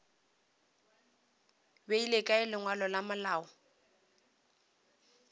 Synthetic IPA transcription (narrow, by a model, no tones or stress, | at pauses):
beilekʼaɪlɪŋwalɔlamalaːɔ